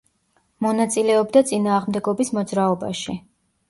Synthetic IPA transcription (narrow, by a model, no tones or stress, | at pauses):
mɔnat̪sʼilɛɔbd̪at̪sʼinaːʁmd̪ɛɡɔbismɔd̪zɾaɔba̰ʃi